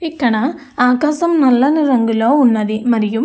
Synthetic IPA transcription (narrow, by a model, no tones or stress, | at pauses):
ɪkːɐɳa | aːkaːsɐmnɐlːɐnɪɾɐŋɡɪloːʊnːɐðimɐɾɪjɯm